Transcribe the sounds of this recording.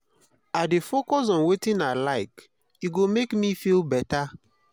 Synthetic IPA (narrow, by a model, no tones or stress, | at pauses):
adefokɔs̬ɔ̃nwetĩnalaɪk | iɡomekmifilbɛta